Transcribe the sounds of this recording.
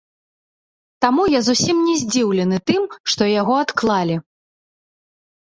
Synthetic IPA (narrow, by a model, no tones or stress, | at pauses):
t̪amujazusʲimnʲɛzʲd͡zʲiwlʲɛnɨt̪ɨmʂt̪ɔjaɣɔat̪klˠalʲi